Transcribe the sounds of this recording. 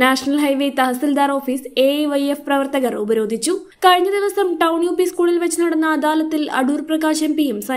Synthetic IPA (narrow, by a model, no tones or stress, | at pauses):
naːʂɐnɐlɦɐjʋeːt̪ɐɦɐsild̪aːɾo̞ːfiːseʋɐjefprɐʋɐrt̪ɐɣɐrubɐɾo̞ːd̪ʱit͡ɕːu | kɐɻiɲːɐd̪iʋɐsɐmʈɐwɳjuːpːiskuːɭilʋɐt͡ɕːunɐɽɐnːɐːd̪aːlɐt̪ːilɐ̰ɽuːrprɐɣaːɕɐmpijumsɐ